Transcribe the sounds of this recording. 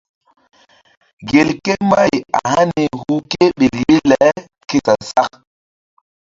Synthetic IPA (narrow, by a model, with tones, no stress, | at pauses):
ɡe˨lke˦ma˦ja̰˨ha˦ni˨hu˦ke˦ɓe˨lji˦lɛ˨˦ | ke˦ta˨sa˦k